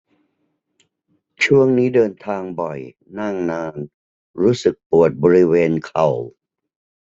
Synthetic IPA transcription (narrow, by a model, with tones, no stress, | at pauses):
t͡ɕʰu˥˩əŋniː˦˥dɤː˧nt̪ʰaː˧ŋbɔ˨˩j | na˥˩ŋnaː˧n | ɾuː˦˥sɯ˨˩k̚pu˨˩ət̪̚bɔː˧ɾi˦˥weː˧nkʰa˨˩w